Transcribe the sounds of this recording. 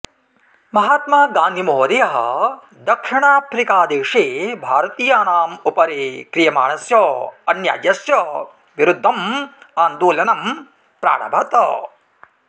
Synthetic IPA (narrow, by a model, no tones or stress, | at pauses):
mɐɦaːt̪maːɡaːnd̪ʱimooɾijɐɦɐ̰ | d̪ɐkʂiɳaːpɾikaːd̪eːʂeːbʱaːɾɐt̪iːjaːnaːmupɐɾeːkɾijɐma̰ːɳɐsjoːɐnja̰ːd͡ʒjɐsjɐ | ʋiɾud̪ʱːɐmaːnd̪uːljɐnɐm | pɾa̰ːɽɐ̰bʱɐt̪ɐ